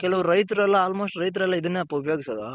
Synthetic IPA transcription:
kɛlɐʋɐɾɾɐɪt̪̬ɯɾelɐ̃aːlmoːsʈɾɐɪt̪̬ɯɾɐlːɐ̃ɪðɐnːeːɐpːɐʊpɐjoːɡɪsɐðo̰ː

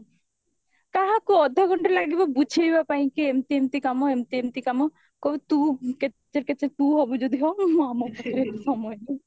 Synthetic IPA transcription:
kaɦakoɔd̪ʱːaɡɔɳʈelaɡibɔbud͡ʒʰejbapaj̃kiemt̪iemt̪ikamɔemt̪iemt̪ikamɔ | kɔbt̪uke | t͡ʃeɾket͡ɕet̪uɦɔbod͡ʒod̪ʱiɦɔmamapak̪ɾesɔmɔj

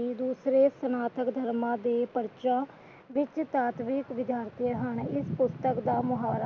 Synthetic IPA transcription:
iːd̪uːsɾeːsənaːt̪ʰəkd̪ʱəɾmãːd̪eːpəɾt͡ʃãː | ʋɪt͡ʃt̪aːt̪ʋɪkʋɪd̪jaːɾt̪iəɦəɳɪspʊst̪əkd̪aːmʊɦaːɾa

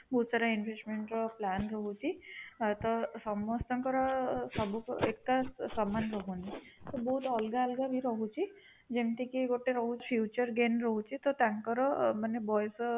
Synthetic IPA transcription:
bot̪sʌɾainbʱesʈmeɳʈɾʌplanɾɔɦut͡ʃʰit̪ʌsʌmɔst̪aŋkɔɾʌsʌbukoek̚ʈ̪asʌmanɾɔɦunit̪ɔbɔɦut̪ɔlɡaːlɡabʱiɾʌɦut͡ʃʰi | d͡ʒemt̪ikiɡoʈːeɾʌɦupʰjut͡ʃʌɾɡenrɔɦut͡ʃʰit̪ʌt̪jaŋkɔɾʌmanebɔjs

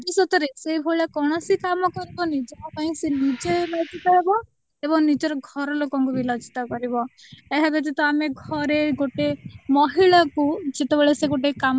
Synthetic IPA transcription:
d̪esɔt̪ɔɾesebʱoɭakɔɽ̃ɔsikamɔkɔɾibɔnid͡ʒɔmɔpaĩsenid͡ʒelɔd͡ʒit̪ɔɦebɔ | ebɔŋnid͡ʒɔɾɔɡʱɔɾɔlokɔŋkubilɔd͡ʒit̪ɔkɔɾibɔ | eɦebet̪it̪ɔameɡʱɔɾeɡoʈemɔɦiɭakud͡ʒet̪ebeɭeseɡoʈ̬ekam

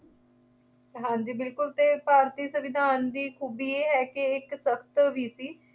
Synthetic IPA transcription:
t̪eɦãːɲd͡ʒiːbɪlkʊlt̪eːpaːɾt̪iːsəʋɪd̪ʱaːnd̪iːkʰuːbiːeːɦɛːkeɪksəkt̪ʋiːsiː

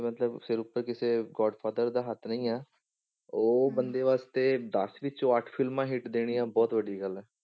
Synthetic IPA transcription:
mət̪ləbsɪɾʊpːəɾkɪseːɡɔːɖpʰaːd̪əɾd̪aːɦət̪ʰnəĩːɛː | oːbənd̪eːʋaːst̪eːd̪əsʋɪt͡ʃoːəʈʰpʰɪlmãːɦɪʈd̪eːɽ̃iːɛːbɔːt̪ʋəɖiːɡəlɛː

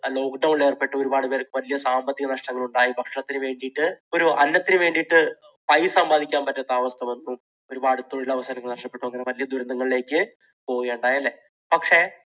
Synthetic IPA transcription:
lo̞ːkɖɐwmiɭeʋrpe̞ʈːɨo̞ɾubaːɽɨpe̞ːɾkːɨʋɐlijɐsaːmbɐt̪ːiɣɐnɐʂʈɐŋːɐɭuɳɖaːjibʱɐkʂɐt̪ːinɨʋe̞ːɳɖiʈːɨo̞ɾuʔɐnːɐt̪ːinɨʋe̞ːɳɖijʈːɨpɐjsɐmbaːd̪ikʲːaːnpɐtːɐt̪ːɐaːʋɐst̪ʰɐʋɐnːu | o̞ɾubaːɽɨt̪o̞ɽilɐʋɐsɐɾɐŋːɐɭnɐʂʈɐpːe̞ʈːuʋɐŋːɐneʋɐlijɐd̪ʱuɾɐnd̪ɐŋːɐɭile̞ːkʲːɨ | po̞ːɣijeɳɖaːjɐlːe | pɐkʂe̞

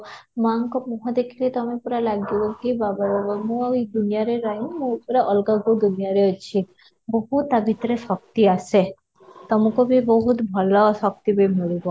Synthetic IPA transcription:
mɔaŋkɔmɔɦɔ̃d̪ekʰilet̪ɔmepuɾalaɡibɔkibabmũd̪unijaɾeɾɔjũmũpuɾaʔɔlɡaɡud̪unijaɾeɔt͡ʃʰi | bɔɦut̪abʱit̪ɔɾesɔkt̪iase | t̪ɔmɔ̃kubibɔɦut̪bʱɔlɔsɔkt̪ibimʱɔɽibɔ

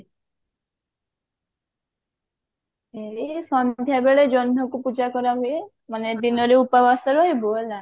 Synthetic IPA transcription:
eesɔnd̪ʱjabeɭed͡ʒɔnmɔkupud͡ʒakɔɾaɦuje | maned̪inɔɾeupabasɔɾɔjbola

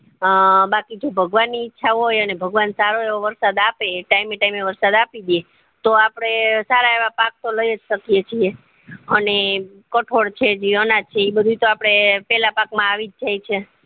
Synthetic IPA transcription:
bakid͡ʒobʱəɡʋanːiːtːʃʰaɦojənebʱəɡʋansaɾoeʋoʋəɾsad̪apeʈaimeʈaimeʋəɾsad̪apid̪je | t̪oapəɽ̃esaɾaeʋapak̚t̪oləjəd͡ʒʃəkijet͡ʃʰie | əne | kəʈʰoɽt͡ʃʰed͡ʒiənat͡ʃʰeibəd̪ʱut̪oapɽ̃epɛlapakmãaʋid͡ʒd͡ʒajt͡ʃʰe

